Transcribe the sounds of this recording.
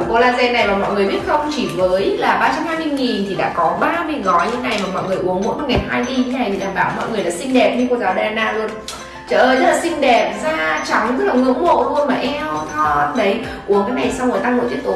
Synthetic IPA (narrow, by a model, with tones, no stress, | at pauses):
ko˧laː˧nzɛ˧na˨˩jmaː˨˩mɔ̰˧˨jŋɨ˨˩əjɓi˦˥ət̚xə˧wŋ͡mt͡ɕi˧˩vəː˨˦jlaː˨˩ɓaː˧t͡ɕa˧mhaː˧jmi˧nŋi˨˩nt̪ʰi˨˩ɗa̰ː˧˥kɔ˨˦ɓaː˧mi˧˩ɣɔ˨˦jɲɨ̰˧˥ŋa˨˩jmaː˨˩mɔ̰˧˨jŋɨ˨˩əjʔu˨˦əŋmo̰˧˥˦nkɔ˧˩ŋaː˨˩nɦaː˧jɗi˧a˨˦na˨˩jt̪ʰi˨˩ɗaː˨˩mɓaː˧˩wmɔ̰˧˨jŋɨ˨˩əjla̰ː˨˩sï˧ŋ̟ɗɛ˨˩p̚ɲɨ˧kɔ˧˩zaː˨˦wɗaː˨˩na̰ː˧˨lu˧ən | t͡ɕəː˧˩ʔəː˧˨jzə˦˥laː˨˩sï˧ŋ̟ɗɛ˨˩p̚zaː˧t͡ɕa˨˦wŋ͡mzə˦˥k̚laː˨˩ŋɨ̰˧˥əŋmo̰˧˨zu˧ənmaː˨˩ʔɛ˧mɔ˨˦˨ɗə˨˦jʔu˨˦əŋkaː˨˦jna˨˩jsa˧wɣo˧˩jt̪aː˧ŋlo̰˧˨t͡ɕ̪i˦˥kt̪o˨˦